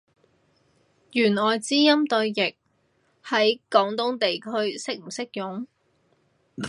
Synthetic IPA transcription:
jyː˨˩nɔː˨jt͡siː˥jɐ˥mt̪ɵ˧ɥjɪ˨˩k̚ | hɐ˨˥jkɔː˨˥ŋt̪ʊ˥ŋt̪e˨jkʰɵ˥ɥsɪ˥k̚m̩˨˩sɪ˥k̚jʊ˨˥ŋ

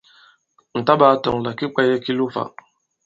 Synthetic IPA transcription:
n̩˨ta˦ba˨˦˨tɔ̰˨ŋ˨la˨ki˦k͡pa˦jɛ˦ki˦lu˦fa̰˨

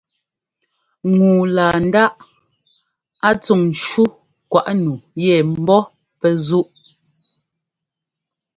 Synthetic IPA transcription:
ŋuː˨laː˨n̩˦da˦ʔ | a˦t͡su˦˨ŋn̩˨t͡ʃu˦ | kwa˨ʔnu˨jɛ˨m̩˦bɔ˦ | pɛ˦zu˦ʔ

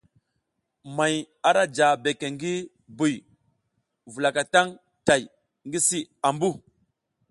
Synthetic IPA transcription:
ma˨j | a˨ɾa˦d͡ʒa˨be˨ke˨ŋɡi˦ | bu˨j | vu˨la˨ka˨ta˦ŋ | ta˨j | ŋɡi˦si˦a˨mbu˦˨

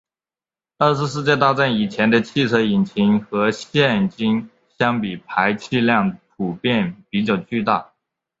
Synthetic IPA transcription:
ə˥˩ʂ̬ɻ̩˧ʂ̬ɻ̩˥˧t͡ɕjɛ˥˧t̪a˥˧ʈ͡ʂa˥˩ni˨˩t͡ɕʰjɛ˧˥nd̪ə˧t͡ɕʰi˥˧t͡sʰɤ˧˥i˨˩nt͡ɕʰi˧˥ŋxɤ˧˥ɕjɛ˥˩nt͡ɕi˥ŋ | ɕjɑ˥ŋpi˨˩pʰa˧˥ɪt͡ɕʰi˥˧ljɑ˥˩ŋpʰu˨˩pjɛ˥˩npi˧˥t͡ɕjɑ˥˩ʊt͡ɕy˥˧t̪a̰˥˩

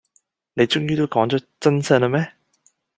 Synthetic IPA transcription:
ne˨˧jt͡ʃʊ˥ŋjyː˥t̪o˥wkɔː˨˥ŋt͡ʃɔ˨˥t͡sɐ˥nsɐ˥nɐ˧mɛː˥

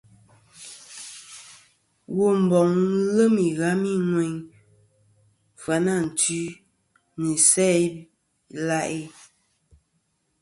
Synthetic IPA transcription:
wo˨m̩˨bɔ˨ŋ˦lə˦mi˨ɣa˨˦mi˦ŋwe˨ŋ | fa˨na˦˨n̩˨ti˦ | mi˨sɛ˦ | la˦ʔe˦

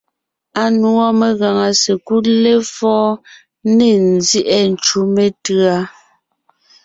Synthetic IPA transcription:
a˨nu˨˦ɔ˦me˨ɣa˨ŋa˨se˨ku˦le˦fɔː˦ | ne˦˨n̩˨zji˦ʔɛ˦˨n̩˨t͡ʃu˦me˦tɰa˦

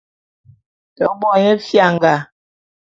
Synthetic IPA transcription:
tɔ˨˦bɔ˨ɲɛ˦fja˦˨ŋ˨ɡa˨

